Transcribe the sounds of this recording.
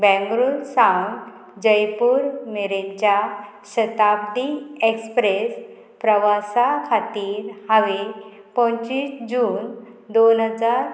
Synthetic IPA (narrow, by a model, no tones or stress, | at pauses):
bɛ̃ŋɡɾunsawn | d͡ʑəjpuːɾmeɾeɲt͡ɕja | ɕət̪ab̚d̪iekspɾes | pɾəʋasakʰat̪iːɾhaʋe | pə̃ɲt͡ɕiːsd͡ʑuːnd̪onɦəd͡zaɾ